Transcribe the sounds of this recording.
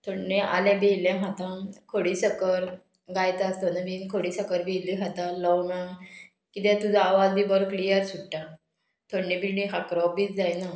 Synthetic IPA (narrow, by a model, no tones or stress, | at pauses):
t̪ʰoɽnẽʔa̰lɛ̃bejlɛ̃ɦat̪ãkʰoɽisəkəɾ | ɡajt̪aːst̪onamiŋkʰoɽisəkəɾbiliɦat̪alɔwma | kit̪̬ɛ̃t̪ud͡zʱaːʋad͡zd̪ibəɾoklijəɾsuʈʈa | t̪ʰoɽnẽbilĩɦakɾɔbiːt͡sd͡zajna